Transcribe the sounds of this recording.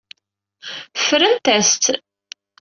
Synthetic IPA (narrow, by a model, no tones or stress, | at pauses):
fɾənt̪æst̪